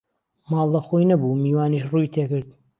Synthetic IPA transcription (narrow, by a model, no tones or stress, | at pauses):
mɑːlˠːɐxojnɐbumiːwaːniʃrujt̪ʰeːkɨɾd̪̚